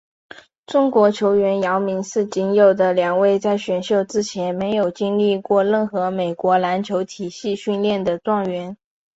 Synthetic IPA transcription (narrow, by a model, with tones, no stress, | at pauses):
ʈ͡ʂʊ˥ŋkwɔ˧˥t͡ɕʰjo˧˥ʊɥɛ˧˥njɑ˧˥ʊmi˧˥ŋʂɹ̩˥˩t͡ɕi˧˥njo˨˩ʊd̪ə˦ljɑ˨˩ŋwe˥˧ɪt͡sa˥˩ɪɕɥɛ˨˩nɕjo˥˩ʊʈ͡ʂɻ̩˥t͡ɕʰjɛ˧˥nme˧˥ɪjo˨˩ʊt͡ɕi˥ŋli˥˧kwɔ˥˧ɻə˥˩nxɤ˧˥me˨˩ɪkwɔ˧˥la˧˥nt͡ɕʰjo˧˥ʊt̪ʰi˨˩ɕi˥˧ɕy˥˧nljɛ˥˩nd̪ə˩ʈ͡ʂwɑ˥˩ŋɥɛ˧˥n